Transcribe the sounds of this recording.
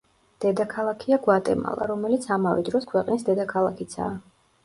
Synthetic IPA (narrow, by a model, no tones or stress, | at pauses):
d̪̥ɛd̪akʰalˠakʰiaɡwat̪ʼɛ̰ma̰lˠaɾɔmɛlit̪sʰamavɛ̰d̪ɾɔskʰwɛqʼnisd̪ɛd̪akʰalˠakʰit̪sʰa̰ː